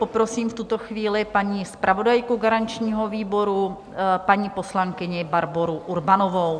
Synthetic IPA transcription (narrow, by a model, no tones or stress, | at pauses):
popɾo̞siːmft̪ut̪o̞xviːlɪpaɲiːspɾʔavo̞dajkuɡaɾaɲt͡ʃɲiːɦoviːbo̞ɾu | paɲiːposlaŋkɪɲɪbaɾboɾuʔuɾbanovow